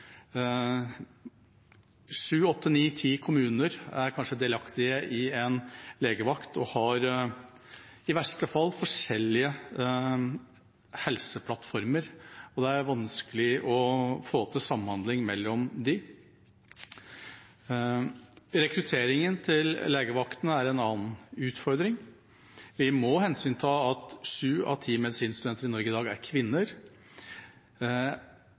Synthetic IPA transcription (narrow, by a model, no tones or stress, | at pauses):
ʂʉːɔt̪ʰːəniːt̪ʰiːkʰʊmʉːnəɾæɾkʰɑnʂəd̪ɛlɑkt̪ɪəʔɪɛnleːɡəʋɑkt̪ɔhɑɾ | ɪʋæʂʈəfɑlːfɔʂɛlːɪə | hɛlsəpʰlɑt̪ːfɔɾməɾɔd̪ɛæɾʋɑnskəlɪʔɔfoːt̪ʰɪsɑmːənhɑnd̪lɪŋmɛlːɔmd̪ɪ | ɾɛkɾʉt̪ʰeːɾɪŋənt̪ʰɪlːeːɡəʋɑkt̪nəæɾɛnɑːnn̩ʉːt̪fɔɾd̪ɾɪŋ | ʋɪmɔhɛnsyːnt̪ʰɑːɑt̪ʂʉːɑ̰ʋt̪ʰiːmɛd̪ɪsiːnəst̪ʉd̪ɛnt̪əɾɪnɔɾɡəɪd̪ɑːɡæ̰ɾkʰʋɪnːəɾ